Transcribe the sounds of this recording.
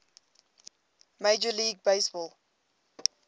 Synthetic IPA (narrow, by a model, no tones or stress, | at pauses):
meɪd͡ʒəliːɡ̚beɪsbɔlˠ